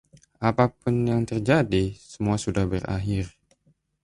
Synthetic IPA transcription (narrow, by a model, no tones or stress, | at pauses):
ʔapapʊnjaŋt̪ərd͡ʒadisəmuasudahbəra̰ɦɪr